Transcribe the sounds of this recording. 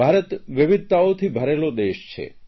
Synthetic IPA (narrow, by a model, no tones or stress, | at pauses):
aɾət̪ʋɪʋɪd̪̚ʱt̪aot̪ʰibʱəɾelod̪eʃt͡ʃʰḛ